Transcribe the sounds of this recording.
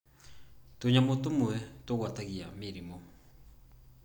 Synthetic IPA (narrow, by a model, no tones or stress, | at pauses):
toɲamotomwɛtoɣwataɣiamiɾimo